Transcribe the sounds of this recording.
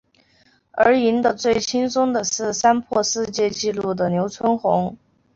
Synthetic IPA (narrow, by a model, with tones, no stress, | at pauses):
ə˞˧˥i˧˥nd̪ə˨t͡swe˥˩ɪt͡ɕʰi˥nsʊ˥ŋd̪ə˨ʂɻ̩˥˩sa˥npʰwɔ˥˧ʂɻ̩˥˧t͡ɕjɛ˥˧t͡ɕi˥˧lu˥˩d̪ə˩njo˧˥ʊt͡sʰwə˥nxʊ˧˥ŋ